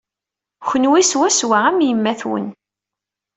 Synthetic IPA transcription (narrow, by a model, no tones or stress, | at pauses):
çənwiswæswææmjəmːæθwə̰n